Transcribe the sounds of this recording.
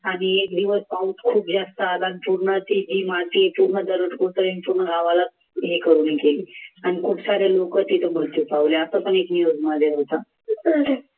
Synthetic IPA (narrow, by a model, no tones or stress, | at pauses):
aɽ̃iekd̪iʋəspaut̪kʰuːpd͡zast̪əat̪anipuɾɳət̪id͡ʑiːmat̪iepuɾɳəd̪əɾəʈkoɾt̪əɾenpuɾɳəɡaʋala | ɦekəɾuːnikeliːaɽ̃ikuʈʰsaɾelokət̪it̪ʰəmult̪iːpaʋleasəpəɳeknijod͡zməd̪ʱjeɦot̪a